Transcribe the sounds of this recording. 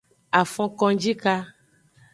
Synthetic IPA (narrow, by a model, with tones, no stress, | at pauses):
a˨fɔ̃˦kɔ̃˧d͡ʒi˦ka˦